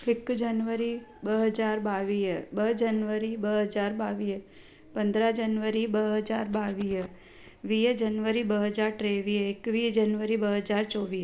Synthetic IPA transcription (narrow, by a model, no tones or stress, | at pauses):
ɪkd͡ʒənʋəɾibəɦəd͡ʒaɾbaʋibəd͡ʒənʋəɾibəɦəd͡ʒaɾbaʋi | pənd̪ɾad͡ʒənʋəɾibəɦəd͡ʒaɾbaʋi | ʋid͡ʒənʋəɾibəɦəd͡ʒaɾʈɾeʋiekʋid͡ʒənʋəɾibəɦəd͡ʒaɾt͡ʃoʋi